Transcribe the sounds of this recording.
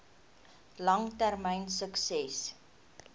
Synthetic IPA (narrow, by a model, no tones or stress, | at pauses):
lɐŋtærmɛjnsəksɛs